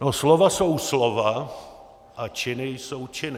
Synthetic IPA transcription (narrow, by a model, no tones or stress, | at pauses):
noslovasowslova | ʔat͡ʃɪnɪjsowt͡ʃɪnɪ